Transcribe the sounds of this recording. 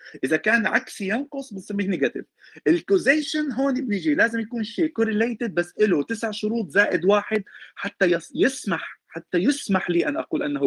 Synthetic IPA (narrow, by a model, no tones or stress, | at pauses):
ʔɪzakaːnʕa̰ksijɑnqʊsˤbɪnsamːiːhnɪɡat̪ɪ̰v | ʔɪlkozeːʃanɦoːnibnɪʒilaːzɪmjakuːnʃiːkoɾɪlejt̪ɪd̪̚basːʔɪlot̪ɪsɪʕʃʊɾuːt̪ˤzaːʔɪd̪waːħɪd̪̚ħat̪ːajjɪsmaħħat̪ːajɪsmaħliːʔanʔa̰quːlʔanːɦ